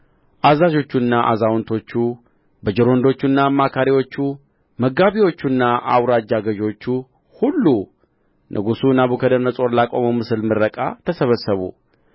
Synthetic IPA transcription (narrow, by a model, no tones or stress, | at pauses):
ʔazaʒo̞t͡ʃːunːaʔa̰zawnt̪ʰo̞t͡ʃːu | bəd͡ʒɛɾo̞nd̪o̞t͡ʃːunːamːakʰaɾiwo̞t͡ʃːu | məɡaβiwo̞t͡ʃːunːaʔa̰wɾad͡ʒːaɡəʒo̞t͡ʃːu | hulːu | nʔɨ̰ɡusunaβukʰəd̪əɾnəsʼo̞ɾlakʼo̞məmɨsɨlmɨɾːəkʼa̰t̪ʰəsəβəsəβṵ